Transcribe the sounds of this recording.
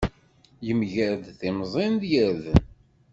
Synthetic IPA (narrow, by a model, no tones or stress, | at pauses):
jəmʝəɾd̪θɪmzˤɪnðjəɾðən